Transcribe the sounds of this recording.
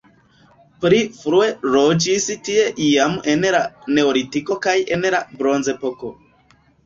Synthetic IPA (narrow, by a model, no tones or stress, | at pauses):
pɾifɾueɾod͡ʒistie̞ʔiamʔe̞nɾane̞oɾitiko̞kaje̞nɾabɾo̞nze̞poko